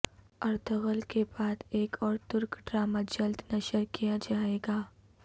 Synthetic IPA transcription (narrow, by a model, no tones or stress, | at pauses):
ɐɾt̪əɣəlkebaːd̪eːkɔːɾt̪ʊɾkɖɾaːmad͡ʒɐld̪nɐʃəɾkijad͡ʒaːeːɡaː